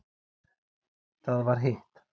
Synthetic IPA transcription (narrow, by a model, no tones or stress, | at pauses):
d̪̥aðvaɾɦet